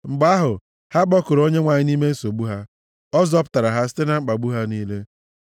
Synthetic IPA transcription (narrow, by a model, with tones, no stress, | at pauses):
ŋ͡m̩˨ɡ͡ba˦ɦʊ˨ | ha˦ɡ͡bɔ˦kʊ˨ɾo˦ɲe˦ŋʷa˨ɲɪ˦ni˦me˦n̩˦so˨bu˦ɦa˦ | ɔ˦zɔ˦p̬ʊ̥˦ta˨ɾa˨ɦa˦s̬i̥˦te˦na˦ŋ͡m̩˦k͡pa˨ɡ͡bu˦ɦa˦niː˦le˦